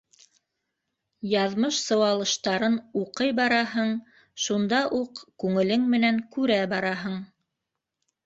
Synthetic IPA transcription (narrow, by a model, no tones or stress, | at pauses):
jɑðmɤʃsɤ̆wɑlˠɤ̆ʃt̪ɑɾɤnuqɤjbɑɾɑɦɤɴ | ʃund̪ɑʔuqkʉŋɘ̆lɘŋmɘ̆næŋkʉɾæbɑɾɑɦɤɴ